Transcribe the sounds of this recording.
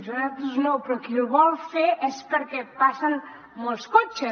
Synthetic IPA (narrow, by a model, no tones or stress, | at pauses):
zuɾat̪uznowpɾɔkiuβɔlˠfeʔɛspəɾkɛpasən | molˠskot͡ʃə